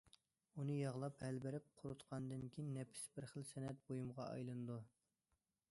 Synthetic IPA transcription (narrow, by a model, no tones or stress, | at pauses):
unɨjɑʁlˠɑphɛlbɪɾɪp̚qʰʊɾut̪qʰɑnd̪ɨnkʲʰijnːɛpʰɪ̥sbɪɾχəlˠsɛnɛt̪̚bojumʁɑɑ̰jlˠɨnɨd̪u